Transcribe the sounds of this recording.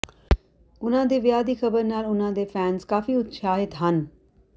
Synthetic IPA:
ʊn̤ãːd̪eʋjaːd̪ixɐbəɾnaːlʊn̤ãd̪efɛːnzkaːfiʊt̪ʃʰaːɦɪt̪ɦən

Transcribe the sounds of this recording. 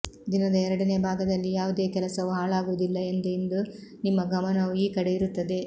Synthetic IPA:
d̪inɐd̪ɐɛɾɐɽɐne̞ːbʱaːɡɐd̪ɐlːijaːʋud̪e̞ːkɛlɐsɐʋuɦaːɭaːɡuʋud̪ilːɐend̪uind̪unimːɐɡɐmɐnɐʋuiːkɐɽe̞iɾut̪ːɐd̪e̞

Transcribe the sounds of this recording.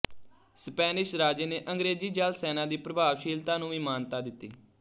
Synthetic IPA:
spɛːnɪʃɾaːd͡ʒeːneːʔəŋɡɾeːd͡ʒiːd͡ʒalsɛːnaːd̪iːpɾəbʱaːʋʃiːlt̪aːnũːʋiːmaːnt̪aːd̪ɪt̪ːiː

